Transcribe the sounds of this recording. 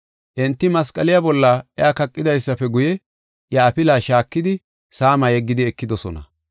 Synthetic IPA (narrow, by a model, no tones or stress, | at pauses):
ʔɛnt̪ːɪmɐskʼɐlɪjabɔlːɐʔɛaːkɐkʼːɪd̪ɐjsːɐpɛɡʊjɛ | jɐːpɪlaːʃaːkːɪd̪ɪ | saːmɐjɛɡːɪd̪ɪɛkːɪd̪ɔsɔnɐ̰